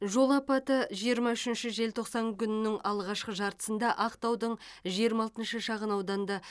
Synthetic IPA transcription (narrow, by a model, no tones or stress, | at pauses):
ʒo̞lˠɑpɑt̪əʒijəɾmɑʏʃɪnʃɪʒe̞lt̪ʰo̞qsɑŋkʲʰʏnɪnɪŋɑlˠʁɑʃqəʒɑɾt̪ə̥sənd̪ɑʔɑqt̪ɑwd̪əɴʒijəɾmɑlˠt̪ənʃəʃɑʁənɑwd̪ɑnd̪ɑ